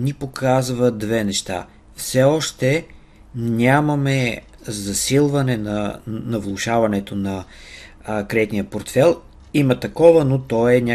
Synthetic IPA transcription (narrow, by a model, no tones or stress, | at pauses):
nipokʰazvəd̪vɛnɛʃt̪a̰ | fsɛɔʃt̪ɛ | nʲamɐmɛ | zɐsilˠvɐnɛnɐnɐvlˠʊʃavɐnɛt̪onɐ | kɾɛt̪nijəpoɾt̪fɛlˠ | imət̪ɐkɔvənot̪ɔɛnʲa